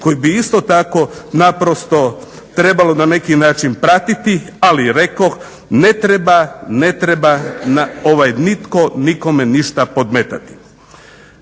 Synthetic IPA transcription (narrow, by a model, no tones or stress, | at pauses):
ko̞jibiist̪o̞t̪ako̞napɾost̪o̞ | t̪ɾe̞balo̞nane̞kinaːt͡ʃinpɾat̪it̪i | aliɾe̞kox | ne̞t̪ɾebane̞t̪ɾebanao̞ʋajnit̪ko̞niko̞me̞niʃt̪apo̞d̪met̪at̪i̥